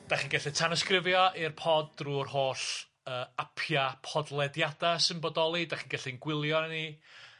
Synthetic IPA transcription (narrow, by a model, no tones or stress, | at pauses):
d̥aχiːnɡɛɬitʰanɔskrɪvjɔʔirpʰɔd̚ːruːrhoːɬ | əːapʰjapʰɔdlˠɛdjadasɪnbɔdɔlˠidaχiːnɡɛɬinɡwɪlˠjɔni